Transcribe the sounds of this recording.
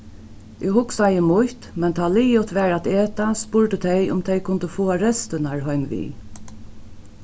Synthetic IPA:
ʔɪhʊksajəmʊht̪mɛnt̪ʰaːliːjʊt̪ʋɛːɹat̪eːt̪aspʊɹt̪ət̪ʰɛjʊ̰mt̪ʰɛjkʰʊnt̪əfɔːaɾɛst̪ɪnaɹɦɔjmʋḭː

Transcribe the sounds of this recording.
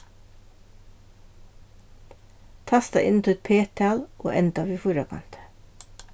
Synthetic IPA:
t̪ʰɑst̪ɑ̰ʔɪ̰n̩t̪ʰɪɛt̪̚pʰeːt̪ʰɑːlʔo̰ːʔɛnt̪ɑʋiːfuːɾɑkʰɑ̰nt̪ə̥

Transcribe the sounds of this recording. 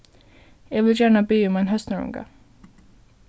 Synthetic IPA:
jɑːʋɪljæːɳabyːɔmɛnɦœst̪əɾɵ̰ŋɡa̰

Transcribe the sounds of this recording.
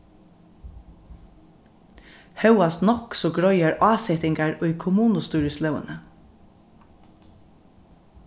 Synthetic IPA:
hœwast̪nɔksɔːɡɹɔʏɑɹʔɑːsɛt̪ɪŋɡaɹʊʏkʰʊmuːnʊst̪uːɹəslœʊə̰nə

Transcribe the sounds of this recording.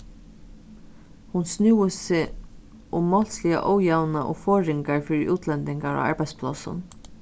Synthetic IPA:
hʊnsnuːəsɪ | ʊmːɔl̥slɪja̰ʔɔːwjawnaʔɔ̰fɔːɹɪŋkaɹfiːɾɪʔuːt̪ʰlɛnt̪ɪŋkaɹa̰a̰ɹpæj̪spʰlɑ̰sʊ̰n

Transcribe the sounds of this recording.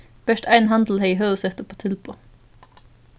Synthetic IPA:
b̥œʃt̪æɪnɦɑnd̪l̩heɪɦœsɛt̪opʰoːt̪ʰɪlpʰoː

